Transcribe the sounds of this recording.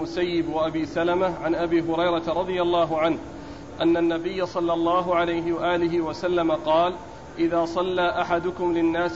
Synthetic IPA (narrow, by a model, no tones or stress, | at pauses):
ʊsajːɪbwaʔabiːsalamaʕanʔabiːɦʊɾɑjɾˤɑt̪ɾˤɑd̪ˤɪjalˤːɑːɦʊʕanh | ʔanːanːabɪjːasˤɑlːɑlˤːɑːɦʊʕalajɦɪwaʔaːlɪɦɪwasalːamaqɑːl | ʔɪðaːsˤɑlːaːʔaħad̪ʊkʊmlɪnːaːs